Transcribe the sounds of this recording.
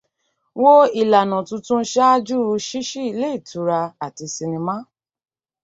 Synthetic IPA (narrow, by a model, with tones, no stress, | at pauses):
wo˦i˨la˨nã˨tũ˧tũ˦ʃa˦d͡ʒu˦ɾu˧ʃi˦ʃi˦i˧le˦i˦˨tu˨˧˦ɾa˧a˨ti˧si˧nĩ˧mã˦